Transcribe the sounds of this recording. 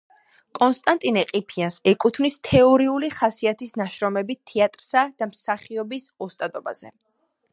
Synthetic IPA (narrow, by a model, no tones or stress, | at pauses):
kʼɔnst̪ʼant̪ʼinɛqʼipʰiansɛkʼut̪ʰmnist̪ʰɛɔɾiuliχasiat̪ʰisnaʃɾɔmɛbit̪ʰɛat̪ʼɾsad̪̥amsaχiɔbisɔst̪ʼad̪ɔba̰z̥ɛ̰